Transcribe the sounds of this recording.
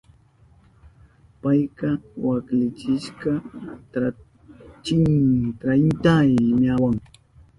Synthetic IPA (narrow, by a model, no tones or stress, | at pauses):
pajkɑwaklɪt͡ʃɪʃkɑt̪ɾa | t͡ʃɪŋt̪ɾajnt̪ajɲawaŋ